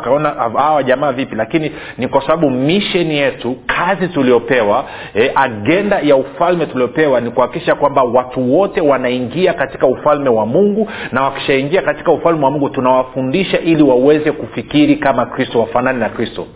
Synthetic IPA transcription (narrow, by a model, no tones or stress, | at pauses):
kaɔnahawaʄamaːvipilakini | nikwasaɓaɓumiʃɛnijɛtukʰazitulijɔpɛwa | ɛʔaɠɛndajaufalmɛtuliɔpɛwanikuwhaki̥kiʃakwambawatuwɔtɛwanaiŋɡiakati̥kaufalmɛwamuŋɡunawaki̥ʃaiŋɡiakati̥kaufalmɛwamũŋɡutunawafundiʃaʔiliwawɛzɛkufikiɾikamakɾistɔwafananinakɾistɔ